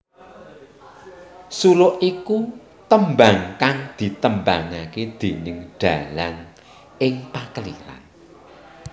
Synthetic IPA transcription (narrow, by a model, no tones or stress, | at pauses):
suɾoʔʔiku | t̪əmbaŋkaŋd̪̥i̤t̪əmbaŋaked̪̥e̤nɪŋɖ̥a̤laŋ | ɪŋpakəlḭɾa̰n